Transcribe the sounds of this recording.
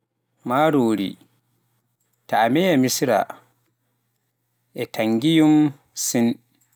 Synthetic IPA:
maɾoːɾḭ | taːmɛjamisɾa̰ | ʔɛtʰaŋɡijum | sin

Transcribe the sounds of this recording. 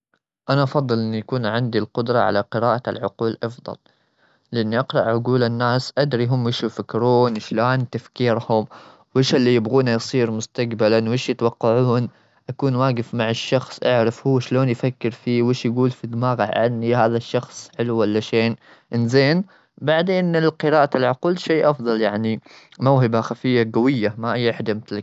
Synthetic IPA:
ʔanaʔɑfɑðˤːɨlʔɪnːijakuːnʕɪnd̪ilqʊd̪ɾˤɑʕa̰laqɪɾaːʔa̰lʕʊquːlʔɑfðˤɑ̰l | lɪʔanːiʔɑqɾɑʔʕʊɡuːlɪnːaːsʔad̪ɾiɦʊmːwɪʃujfakːɾuːnʃloːnt̪afkiːɾhʊm | wɪːʃɪlːijɪbɣuːnajsˤiːɾmʊst̪aɡbalanwʔeːʃjɪt̪wɑqːɑʕuːn | ʔakuːnwaːɡɪfmaʕɪʃːɑxsˤʔaʕɾɪfhʊwːaʃloːnjfakːɪɾfiːweːʃjaɡuːlfid̪maːɣɪʕanːihaːðaʃːɑxsˤħɪluwalːaʃeːn | ʔɪnzeːn | baʕd̪eːnɪlqɨɾaːʔalʕʊquːlʃeːʔɑfðˤɑljaʕni | mawɦɪbaxafɪjːaɡawɪjːamaʔɪjːʔɪħd̪amɪt̪l

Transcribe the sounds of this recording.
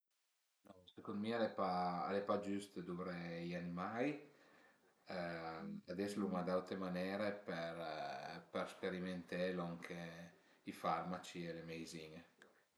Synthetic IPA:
nɔsekond̪mialepaa̰lepad͡ʒyst̪ed̪uɾejanimaj | ad̪ɛslumad̪alt̪ɾemanɛːɾepeɾperspeɾiment̪elɔŋkʰe | ifarmat͡ʃielemejziŋ

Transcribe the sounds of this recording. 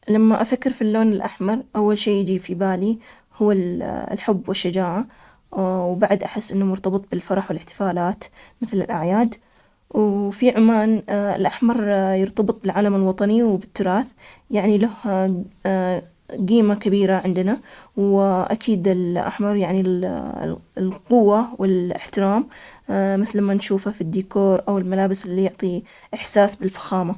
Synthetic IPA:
lamːaʔafakːɪɾfilːoːnɪlʔaħmɑɾˤʔawːalʃeːjɪd͡ʒiːfibaːli | hʊːalħʊbːwɪʃːad͡ʒaːʕa | wbaʕd̪ʔaħɪsːʔɪnːamʊɾt̪ɑbɨt̪ˤbɪlfɑɾˤɑħwɪlɪħt̪ɪ̥faːlaːt̪mɪθlɪ̰lʔa̰ʕjaːd̪ | wfiʕʊmaːnɪ̰lʔaħmɑɾˤjɪɾt̪ɑbɨt̪ˤbɪlʕaːlamɪlwɑt̪ˤɑniwbɪt̪ːʊɾˤɑːθjaʕnilaha | ɡiːmakabiːɾaʕɪnd̪nawʔa̰kʰiːd̪ɪlʔa̰ħmɑɾˤjaʕnil̰ | lqʊwːawɪlɪ̰ħt̪ɪɾaːm | mɪθlmanʃuːfafid̪ːiːkoːɾˤʔawɪlmalaːbɪsʔɪlːijʊʕt̪ˤi | ʔɪħsaːsbɪlfḁxaːma

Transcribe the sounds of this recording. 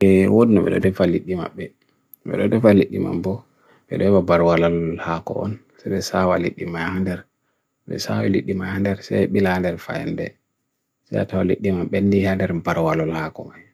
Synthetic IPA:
ɛwodinaɓɛ̰ɗɔ̰dɛfalːiɗːima̰ɓːɛ | ɓɛ̰ɗɔdɛfalːiɗːima̰mbɔ | ɓɛ̰ɗɔɛwabaɾwalɔllhakɔ̰ɔn | saɓɛsawalḭɗːimajhandɛɾ | ɓɛ̰sa̰wiliɗːimajhandɛɾsɛɓilandɛɾfa̰jɛ̰ndɛ̰ | saja̰tawaliɗːimamɓendihandɛɾbaɾwalɔlhakɔmaj

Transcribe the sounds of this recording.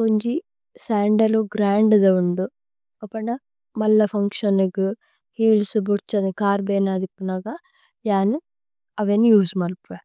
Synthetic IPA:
koɲd͡ʒi | saːɳɖɐluɡɾaːɳɖd̪ɐuɳɖu | ɐpːɐɳɐ | mɐlːɐfʰɐŋkʂɐneɡu | hiːlsubuɾt͡ʃɐnikaːɾbeːnaːd̪ipːunaɡa | jaːn | ɐʋenjuːsmɐlpɾɐ

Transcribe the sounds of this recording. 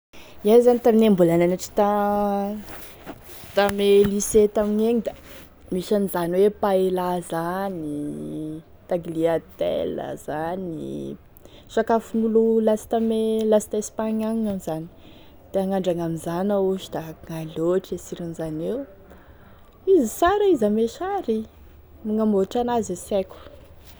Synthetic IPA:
iazanit̪aminambulananaʈ͡ʂi̥t̪a | t̪ameliset̪amiɲeɲid̪a | miʃanizaniwepaelazani | t̪aɡiliat̪ḛla̰z̥anḭ | ʃakafunululasi̥t̪amelasi̥t̪aspaɲaŋŋamizani̥ | d̪̥eaŋaɳɖ͡ʐaŋamizanauʃu̥d̪aŋaloʈ͡ʂesiɾinizanew | izisaɾaizameʃaɾi | muŋamoʈ͡ʂanazesekʲu̥

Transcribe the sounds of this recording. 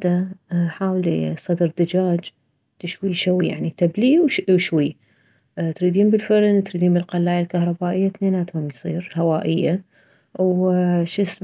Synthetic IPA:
d̪aħaːwlḭsˤɑd̪ɾd̪ad͡ʒaːd͡ʒ | t̪ɪʃwiʃawija̰ʕnit̪abliːwʃwiː | t̪ɾiːd̪iːnbɪlfaɾnt̪ɾiːd̪iːnbɪlqalːaːjalkahɾˤɑbaːʔɪjːat̪neːnaːt̪hʊmjsˤiːɾhawaːʔɪjːa | wʃis

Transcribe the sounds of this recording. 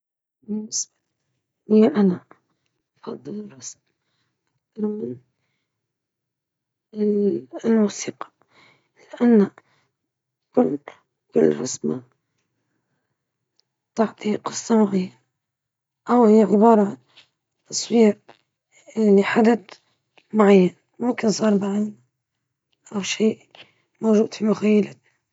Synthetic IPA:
mʊs | hɪjːaʔana | fɑd̪ˤːɨlrˤɑsm | ʔakt̪ɑɾˤmɪn | lmusiːqɑ̥ | lɪʔanːa | kʊlt̪ | kɪlːɾa̰sma | t̪ɑʕt̪ˤiqɨ̥sˤːɑmaʕaja | ʔawhɪjːaʕɪbɑːɾˤɑʕan | t̪ːɑsˤwiː | lːiħad̪ad̪ | maʕajːan | mʊmkɪnsˤɑːɾˤbaʕalna | ʔawʃiːʔ | mowʒuːd̪fimʊxajːalat̪

